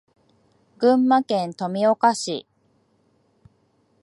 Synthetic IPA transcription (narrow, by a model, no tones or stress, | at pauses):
ɡɯ̟̃mːakẽ̞nt̪o̞mʲio̞kaɕḭ